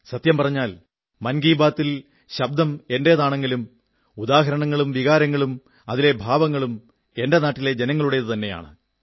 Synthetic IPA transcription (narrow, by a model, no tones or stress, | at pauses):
sɐt̪jɐmpɐrɐɲːaːl | mɐnɡiːbaːt̪ːil | ɕɐb̚d̪ɐme̞nde̞ðaːɳeŋɡilum | ud̪aːɦɐɾɐɳɐŋːɐɭumʋiɣaːɾɐŋːɐɭum | ɐðile̞bʱaːʋɐŋːɐɭum | e̞nde̞naːʈːile̞d͡ʑenɐŋːɐɭuɽeðɨt̪ɐnːe̞ja̰ːɳɨ̰